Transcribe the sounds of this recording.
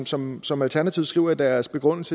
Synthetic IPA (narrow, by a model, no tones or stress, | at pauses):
sɒ̽msɒ̽mælt͡sʰæɐnæt͡sʰiʊsɡ̥ʁiʊ̰ɐd̥æɐsb̥e̝ɡ̥ʁɔ̽n̰l̩sʰə